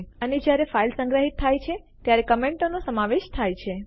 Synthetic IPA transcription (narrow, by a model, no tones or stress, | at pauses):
əned͡ʒjaɾefailsə̃ŋɡɾəɦit̪ʰːajt͡ʃʰe | t̪jaɾekəmeɳʈonosəmaʋeʃt̪ʰajt͡ʃʰe